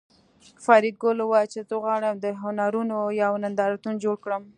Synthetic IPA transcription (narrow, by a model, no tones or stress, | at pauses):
fɑɾɪɡ̚ɡolowɑjt͡ʃezəɣwɑɽəmd̪əɦʊnaɾunojawnand̪ɑɾat̪und͡ʒoɽkɽəm